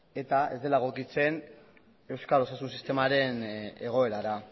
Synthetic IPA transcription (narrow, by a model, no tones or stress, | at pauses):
e̞t̪ae̞zd̪e̞laeɣokit͡se̞n | e̞wskalo̞sasunsist̪e̞maɾe̞ne̞ɣ̞o̞e̞ɾaɾa